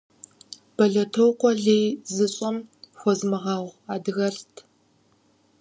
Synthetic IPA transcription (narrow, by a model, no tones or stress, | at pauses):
b̥ɐɮɐtʰowqʷɔɮeːjzɨɕʼɐmxʷɔzmɨʁɑːʁʷaːdɨɣɐɬtʰ